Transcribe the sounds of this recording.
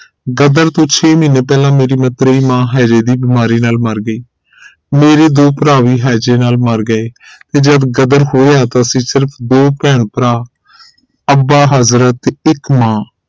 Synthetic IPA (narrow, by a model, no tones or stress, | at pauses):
ɡəd̪əɾt̪õːt͡ʃʰeːmɪneːpɛːlãːmeːɾiːmət̪ɾeiːmãːɦɛːd͡ʒeːd̪iːbɪmaːɾiːnaːlməɾɡəiː | meːɾeːd̪oːpəɾaːʋiːɦɛːd͡ʒeːnaːlməɾɡəeːt̪eːd͡ʒəd̪ɡəd̪əɾɦoːeaːt̪ãːsiːsɪɾpʰd̪oːpɛ̃ːɳpəɾaː | əbaːɦəzɾət̪ɪkmãː